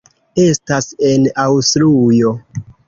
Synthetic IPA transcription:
e̞stasenawstɾujo

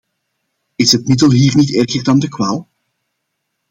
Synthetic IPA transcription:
ɪsɦətmɪdəlˠɦiːrnitɛrɣərdɑndəkwaːlˠ

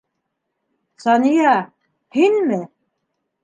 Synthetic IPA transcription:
sɑnijɑ | hinmɘ

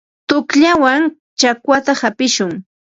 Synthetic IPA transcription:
t̪ʊkʎawaŋ | t͡ʃakwat̪ahapɪʃʊŋ

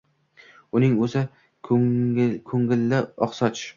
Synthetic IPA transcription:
ʊnɪŋɵzɪ | kʰɵŋɪlːɪɒχsɒt͡ʃ

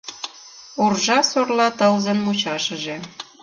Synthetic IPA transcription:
orʒɑsorlɑt̪əlzə̆nmut͡ɕɑʃə̆ʒe

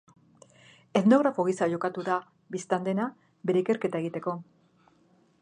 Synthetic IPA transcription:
e̞t̪no̞ɣ̞ɾafo̞ɣ̞isaʝo̞kat̪uða | bist̪and̪e̞na | be̞ɾe̞ike̞ɾke̞t̪aeɣ̞it̪e̞ko̞

